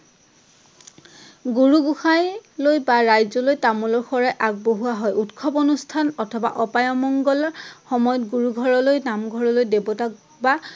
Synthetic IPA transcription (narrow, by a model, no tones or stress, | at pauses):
ɡuɹuɡuxajlojbaɹajzɔlojtamɔlɔɹxɔɹajʔaɡ̚boɦuaɦɔjutkʰɔponustʰanɔtʰɔba̰ʔɔpajɔmɔŋɡɔlɔxɔmɔjɔtɡuɹuɡʱɔɹɔlojnamɡʱɔɹɔlojdebɔtak̚ | ba